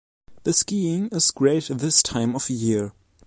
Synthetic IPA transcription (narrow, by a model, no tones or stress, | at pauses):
ðɨskiɪ̃ŋɪz̥ɡɹeɪtðɪstʰãɪ̃mʌvjɪɹ